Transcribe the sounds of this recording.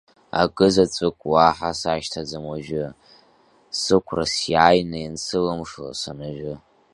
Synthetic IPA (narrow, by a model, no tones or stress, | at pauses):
a̰ɡʼɨzat͡sʷʼɨkʼwaħasaʃtʰad͡zamaʒᶣʊ | sɨkʷʰrasjaːjnajansɨlamʂl̰sanaʒᶣʊ